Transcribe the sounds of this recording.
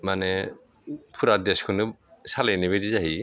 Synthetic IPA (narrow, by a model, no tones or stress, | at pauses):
manɛ | pʰuɾadɛskʰɯnɯsalejnibedizaɦi